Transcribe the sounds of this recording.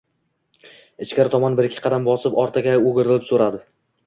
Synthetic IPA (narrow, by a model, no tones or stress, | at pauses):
ɪt͡ʃkʲaɾɪt̪ʰɒmɒnbɪɾɪkʲʰːɪ̥qʰɑd̪ambɒsɪpɒɾt̪ʰaɡʲaoɡʲɪɾɪlɪpsoɾad̪ɪ